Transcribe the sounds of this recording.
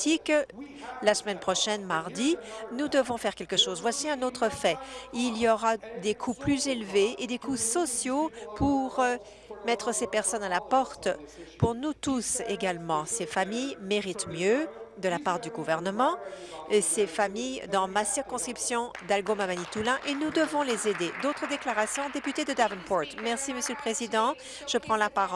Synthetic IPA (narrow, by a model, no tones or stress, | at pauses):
t̪ik | lasəmɛnpχɔʃɛnmaʁd̪inud̪əvɔ̃fɛʁkʲɛlkəʃozvwasiɛ̃not̪χəfɛilijɔʁad̪ekʰuplyzelveed̪ekusɔsjopuʁ | mɛt̪χəsepɛʁsɔnalapɔʁt̪puʁnut̪useɡalmɑ̃sefamijmeʁit̪mjød̪əlapaʁd̪yɡuvɛʁnəmɑ̃ | sefamijd̪ɑ̃masiʁkɔ̃skχipsjɔ̃d̪alɡomamanit̪ulɛ̃ʔenud̪əvɔ̃lezed̪ed̪ot̪χəd̪eklaʁasjɔ̃d̪epyt̪ed̪əd̪avɛnpɔʁt̪mɛʁsiməsjøləpχezid̪ɑ̃ | ʒ̥əpχɑ̃lapaʁ